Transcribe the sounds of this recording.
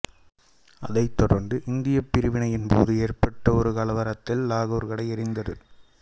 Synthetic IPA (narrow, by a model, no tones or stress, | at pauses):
ɐ̰ðɐɪt̪ːɔɽɐɾnd̪ɯʔɪnd̪ɪjɐpːɪɾɯʋɪɳɐjɪnpo̰ːðɯeːrpɐʈːɐɔɾɯkɐɭɐʋɐɾɐt̪ːɪlːaːɣuːɾɣɐɭɐɪɛɾɪnd̪ɐðɯ